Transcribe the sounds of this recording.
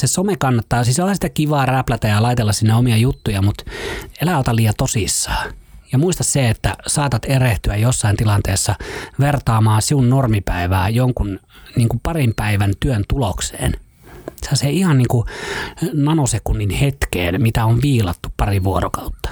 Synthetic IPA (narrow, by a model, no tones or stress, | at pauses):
sesomekɑnːɑt̪ːɑːsisohɑsit̪ækiʋɑːræplæt̪æjɑlɑit̪elːɑssinːeomiɑjut̪ːujɑmut̪elæot̪ɑliːɑt̪osisːɑ̥ːjɑmuist̪ɑsseet̪ːæsɑːt̪ɑt̪ereht̪yæjjosːɑint̪ilɑnt̪eːsːɑʋert̪ɑːmɑːsiunnormipæiʋæːjoŋkunniːŋkupɑrimpæiʋænt̪yønt̪uloksḛːn | selɑseihɑnniːŋku | nɑnosekunːinhet̪kḛːnmit̪æoʋʋiːlɑ̰t̪ːuppɑriʋuorokɑut̪ːɑ̥